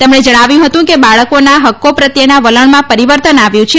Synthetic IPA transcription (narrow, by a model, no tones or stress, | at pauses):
t̪emɳed͡ʒəɽ̃aʋjũɦət̪ũkebaɭəkonaɦəkːopɾət̪jənaʋələɳmãpəɾiʋəɾt̪ənaʋjũt͡ʃʰe